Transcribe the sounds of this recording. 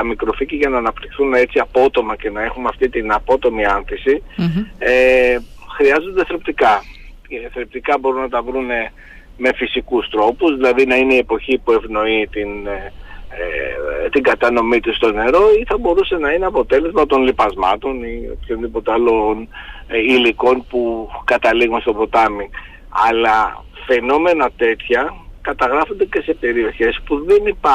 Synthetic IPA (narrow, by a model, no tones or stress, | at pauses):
ɐmikɾo̞ficiʝɐnɐːnɐpt̪ixθune̞t͡siɐpo̞t̪o̞mɐce̞nɐe̞xumeɐft̪it̪inɐpo̞t̪o̞miɐnθisi | e | xɾiɐzo̞nd̪eθɾep̚t̪ikɐ | ceθɾep̚t̪ikɐbo̞ɾunɐt̪ɐvɾune̞ | me̞fisikust̪ɾo̞puzðilɐðinɐineie̞po̞çipue̞vno̞it̪in | t̪iŋɡɐt̪ɐno̞mit̪ust̪o̞ne̞ɾo̞iθɐbo̞ɾuse̞nɐineɐpo̞t̪e̞le̞zmɐt̪o̞nlipɐzmɐ̰t̪o̞nio̰pçonðipo̞t̪eɐlon | iliko̞npukɐt̪ɐliɣunst̪o̞bo̞t̪ɐmiŋ | ɐ̰lɐ | fe̞no̞me̞nɐt̪e̞t̪çɐkɐt̪ɐɣɾɐfo̞nd̪ece̞se̞pe̞ɾio̞çe̞spuðe̞nipɐ